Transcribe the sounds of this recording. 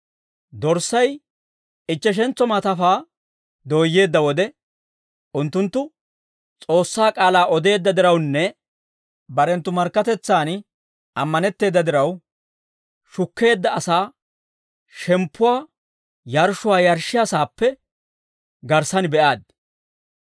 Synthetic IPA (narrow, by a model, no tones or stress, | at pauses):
d̪ɔɾsːɐj | ɪt͡ʃːɛʃ̬ɛnt͡sːɔmaːt̪ɐfaː | d̪o̞ːjːe̞ːd̪ːɐwɔd̪ɛ | ʔʊnt̪ːʊnt̪ːʊ | t͡sʼo̞ːsːaːkʼaːlaːʔɔd̪e̞ːd̪ːɐd̪ɪɾɐwnːɛ | bɐɾɛnt̪ːʊmɐɾkːɐt̪ɛt͡sːaːn | ʔɐmːɐnɛt̪ːe̞ːd̪ːɐd̪ɪɾɐw | ʃʊkːe̞ːd̪ːɐɐsaː | ʃɛmpːʊwaː | jɐɾʃʊwaːjɐɾʃɪjasaːpːɛ | ɡɐɾsɐnbɛʔaːd̪̚